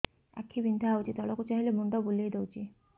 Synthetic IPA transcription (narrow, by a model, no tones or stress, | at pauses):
a̰kʰːibind̪ʱaɦawt͡ʃʰit̪ɔlɔkut͡ʃaɦilemuɳɖɔbulied̪ewt͡ʃʰi